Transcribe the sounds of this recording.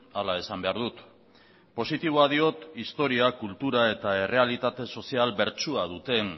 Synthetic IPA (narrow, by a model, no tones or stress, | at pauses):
alae̞sambe̞aɾðut̪ | po̞sit̪iβ̞oaðio̞t̪ist̪o̞ɾiakult̪uɾae̞t̪ae̞re̞alit̪at̪e̞so̞sialbe̞ɾt͡ʃuaðut̪e̞